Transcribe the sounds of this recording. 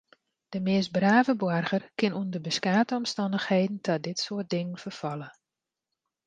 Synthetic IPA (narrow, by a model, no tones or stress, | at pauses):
d̥əmɪəs̚braːvəbwɔrɣərkɪnundərbəskaːtəɔmstɔndəxheːdn̩tʰɔdɪtsoət̚dɪŋənfərfɔlˠə